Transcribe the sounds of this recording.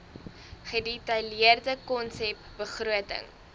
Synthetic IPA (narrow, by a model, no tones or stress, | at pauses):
χəditɐjliərdəkɔnsɛpbəχɾuətə̰ŋ